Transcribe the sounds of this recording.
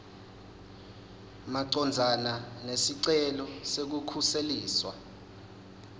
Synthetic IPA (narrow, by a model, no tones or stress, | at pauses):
maǀɔnd͡zʱananesiǀɛlɔsek̬ukʰuseliːswa